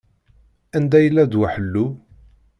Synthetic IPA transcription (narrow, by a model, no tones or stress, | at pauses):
ænd̪æjəlːæd̪waħəlːu